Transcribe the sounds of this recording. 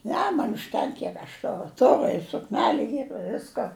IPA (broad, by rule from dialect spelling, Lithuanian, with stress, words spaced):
ˈnʲɛ mɐn ʊʃʲˈtʲɛŋk ˈkʲiɛk ɐʃ ˈtʊrʊ ˈtʊrʊ ɪ sʊkˈnʲæːlʲʊ ˈiːr ɪ ˈʋʲɪskoː